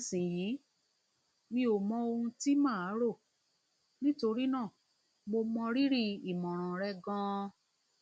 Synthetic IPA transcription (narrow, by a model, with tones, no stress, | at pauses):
sĩ˨jiː˨˦ | nĩ˧˦o˨mɔ̃˧o˧hũ˧ti˦mãː˦˨a˨˦ɾo˦˨ | nĩ˦to˧ɾi˦nãː˦˨ | mo˧mɔ̃˧ɾi˦ɾi˦˧i˨mɔ̃˨ɾ̃ɔ̃˨ɾɛ˧ɡã˦˧